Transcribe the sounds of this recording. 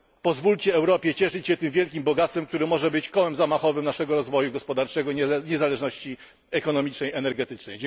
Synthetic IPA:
pɔzvulʲt͡ɕɛɛwɾɔpʲjɛt͡ɕɛʂɘt͡ɕɕɛt̪ɘmvʲjɛlkʲimbɔɡat̪sɛmkt̪uɾɘmɔʐɛbɘt͡ɕkɔwɛmzamaxɔvɘmnaʂɛɡɔɾɔzvɔjuɡɔspɔd̪aɾt͡ʂɛɡɔɲɛzalɛʐnɔɕt͡ɕi | ɛkɔnɔmʲit͡ʂnɛjɛnɛɾɡɛt̪ɘt͡ʂnɛjd͡ʑ

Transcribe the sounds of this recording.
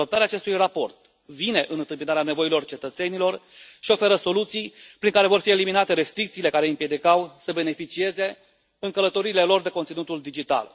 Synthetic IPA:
o̞pt̪aɾeaːt͡ʃe̞st̪ujrapo̞rt̪ | vine̞ʔɨnɨnt̪ɨmpinaɾeane̞vo̞ilo̞rt͡ʃe̞t̪ət̪se̞nilo̞rʃio̞fe̞ɾəso̞lut̪sijpɾiŋkaɾe̞vo̞rfie̞liminat̪e̞ɾe̞st̪ɾik̚t̪siːle̞kaɾe̞ɨmpje̞d̪ikawsəbe̞ne̞fit͡ʃie̞ze̞ | ɨŋkələt̪o̞ɾiːle̞lo̞rd̪e̞ko̞nt̪sinut̪uld̪id͡ʒit̪a̰l

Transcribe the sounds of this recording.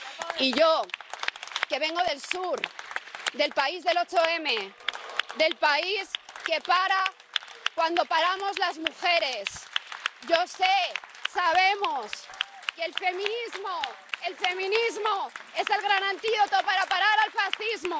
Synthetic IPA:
iʝo̞ | ke̞βe̞ŋɡo̞ð̞e̞lsuɾ | ðe̞lpaizðe̞lo̞t͡ʃo̞eme̞ | ðe̞lpaiske̞paɾa | kwand̪o̞paɾamo̞zlazmuxe̞ɾe̞sɟ͡ʝo̞sesaβe̞mos | kelfe̞mĩnizmo | e̞lfe̞mĩnizmoe̞se̞lɣ̞ɾanãnt̪iðo̞t̪opaɾapaɾaɾalfasθizmo

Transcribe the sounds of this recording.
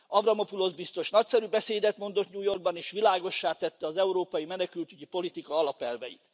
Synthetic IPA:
ɒvrɒmopulo̞zbist̪o̞ʃnɒcsɛɾybɛseːd̪ɛt̪mo̞nd̪ot̪ɲuːjo̞rɡ̚bɒneːʃʋilaːɡo̞ʃːaːt̪ɛt̪ːɛɒzɛuɾoːpɒjimɛnɛkylt̪yɟipo̞lit̪ikɒɒlɒpɛlvɛ̰jḭt̪

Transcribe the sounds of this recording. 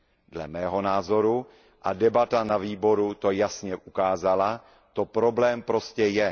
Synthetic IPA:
dlɛ̰mɛːɦo̞naːzo̞ɾu | ʔadɛbat̪anaviːbo̞ɾut̪o̞jasɲɛʔukaːzala | t̪o̞pɾo̞blɛːmpɾo̞scɛjɛ

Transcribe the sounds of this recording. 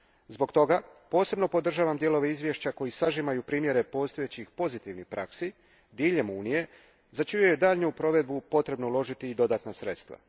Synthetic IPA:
zbo̞ɡt̪o̞ɡapo̞ːse̞bno̞po̞d̪r̩ʒaːʋamd̪je̞lo̞ʋe̞izʋje̞ʃt͡ɕako̞jisaʒimajupɾiːmje̞ɾe̞po̞ːst̪ojet͡ɕixpo̞zit̪iʋnipɾʔa̰ksi | d̪iːʎe̞muːnije̞ | zat͡ʃijujed̪aːʎneupɾo̞ʋe̞d̪̚bupo̞t̪ɾe̞bnoulo̞ʒit̪iːd̪o̞d̪aːt̪nasɾe̞t̪st̪ʋa̰

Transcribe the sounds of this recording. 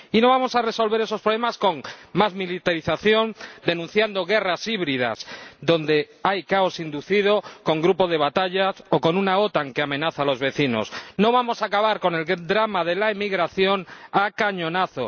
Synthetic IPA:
ino̞β̞amo̞sare̞so̞lβe̞ɾe̞sopɾolemasko̞ŋmazmilit̪aɾiθaθjo̞nd̪e̞nũn̟θjand̪o̞ɣ̞e̞rasiβɾiða̰sd̪o̞nd̪e̞ | ajkaosind̪uθiðo̞ko̞ŋɡɾupo̞ð̞e̞βat̪aʎaso̞ko̞nunao̞t̪aŋke̞ame̞naθalo̞zβe̞θino̞̰sno̞β̞amo̞saːkaβaɾko̞ne̞ld̪ɾamaðe̞laemiɣɾaθjo̞nakaɲõ̞naθo̞̰

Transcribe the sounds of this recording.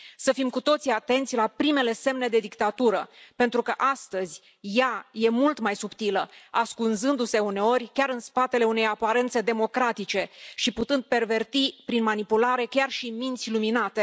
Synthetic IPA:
səfimkut̪o̞t̪siat̪e̞nt̪sʲlapɾime̞le̞se̞mne̞d̪e̞d̪ikt̪at̪uɾəpe̞nt̪ɾukəʔast̪əzʲ | jaje̞mult̪majsupt̪iləaskunzɨnd̪use̞une̞o̞rʲkʲaɾɨnspat̪e̞le̞une̞japaɾe̞nt̪se̞d̪e̞mo̞kɾat̪it͡ʃe̞ʃiput̪ɨnd̪̚pe̞rve̞rt̪ipɾinmanipulaɾe̞kʲarʃimint̪sʲluminat̪e̞

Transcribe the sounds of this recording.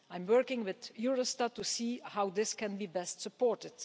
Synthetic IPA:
ãɪ̃mwɜ˞kɪ̃ŋwɪðjuɹostad̚tːusiːhawðɪskɛ̃nbibɛstsəpɔɹtɪd̥

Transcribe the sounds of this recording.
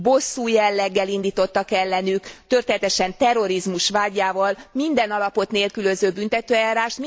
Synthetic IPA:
bo̞sːuːjɛlːɛɡːɛlind̪iːt̪o̞t̪ːɒkɛlːɛnykt̪ø̞rt̪eːnɛt̪ɛʃɛnt̪ɛro̞ɾizmuʃʋaːɟːaːvɒlmind̪ɛnɒlɒpo̞t̪neːlkyløzøːbynt̪ɛt̪øːɛjaːɾaːʃt̪m

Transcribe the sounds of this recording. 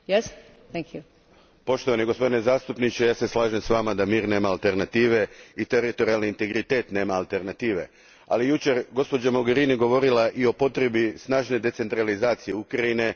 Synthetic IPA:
jɛs | θɛ̃ŋkʰju | po̞ʃt̪oʋaniɡospo̞d̪inezaːst̪upnit͡ɕejaːse̞slˠaːʒe̞msʋaːmad̪amiːɾne̞ːmaːlˠt̪e̞ɾnat̪iːʋe̞it̪eɾit̪o̞ɾialniint̪e̞ɡɾit̪e̞ːt̪ne̞ːmaːlˠt̪e̞ɾnat̪iːʋe̞̰ | a̰lijut͡ʃe̞ɾɡo̞spo̞d͡ʑamo̞ɡe̞ɾiniɡo̞ʋo̞ɾilaʔio̞po̞t̪ɾe̞bisnaːʒne̞d̪e̞t̪se̞nt̪ɾalizaːt̪sijeukɾaine̞

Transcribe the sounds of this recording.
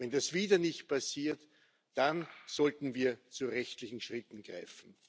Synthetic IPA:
vɛndasviːdɐnɪçt̚pʰasiːɐt | d̥anz̥ɔltn̩viːɐt͡suʁɛçtlɪçn̩ʃʁɪtn̩ɡ̥ʁa̰ɪfn̩

